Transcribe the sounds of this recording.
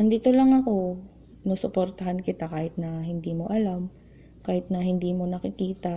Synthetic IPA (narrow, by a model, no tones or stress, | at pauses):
ʔɐnd̪iːt̪olɐŋɐko̞ | nosʊpoɾt̪ɐhankɪt̪akaːhɪt̪̚nɐhɪnd̪iːmo̞ʔɐlam | kaːhɪt̪̚nɐhɪnd̪iːmo̞nɐkɪkiːt̪ɐ